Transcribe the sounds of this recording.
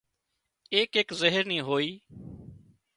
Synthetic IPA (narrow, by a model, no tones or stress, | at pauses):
eːkeːkzəɦəɾnĩːɦoːiː